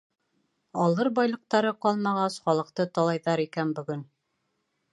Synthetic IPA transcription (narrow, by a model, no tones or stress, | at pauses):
ɑlˠɤɾbɑjlˠɤ̆q̚t̪ɑɾɤqɑlˠmɑʁɑsχɑlˠɤ̆q̚t̪ɤt̪ɒlˠɑjðɑɾikænbɵ̆ɡɵn